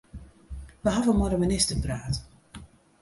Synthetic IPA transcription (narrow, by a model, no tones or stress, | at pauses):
ʋəɦavəmɔɾəmɪnɪstəpraːt